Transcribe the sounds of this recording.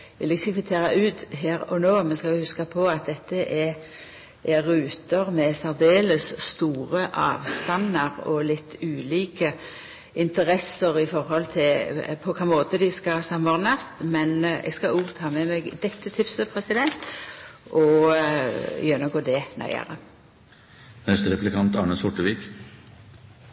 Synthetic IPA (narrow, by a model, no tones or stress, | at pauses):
ʋɪlɪsɪkʉt̪ʰeːɾɑʔʉːt̪ɦeːɾɔnoːmɛnskɑlʋɪhʉskɑpʰɔɑt̪̚d̪ɛt̪ːəʔɛ | ʔɛɾːʉːt̪əʁmɛsæɾd̪eːləsːt̪uːʁəʔɑ̰ːʋst̪ɑnːəʁɔ̰lɪt̪ʰːʉːliːkə | ɪnt̪əɾɛsəɾɪfɔɾhɔlt̪ʰɪlpʰɔkʰɑːmoːt̪əd̪ɪskɑsɑmɔʁnɑst̪mɛnɛ̰ɡskɑuːt̪ʰɑːmɛmɛɡd̪ɛt̪ːət̪ʰɪpsəpʰʁɛsɪd̪ɛnt̪ʔɔ | jœnəɡoːd̪ɛnæ̰ɪə̰ʁə̰ | hœst̪əɾɛplɪkʰɑnt̪ɑɳəsɔʈːəʋiːk